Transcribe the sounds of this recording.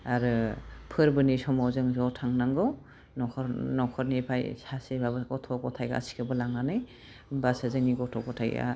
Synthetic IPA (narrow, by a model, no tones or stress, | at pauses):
aɾɯpʰɯɾbɯnisɔmɔwzɯŋzɔtʰaŋnaŋɡɯw | nɔkʰɔɾnɔkʰɔɾnipʰajsasibabɯɡɔtʰɔkɔtʰajɡa̰ːsi̥kʰɯbɯlaŋnanɯj | basazɯŋniɡɔtʰɔkɔtʰaja̰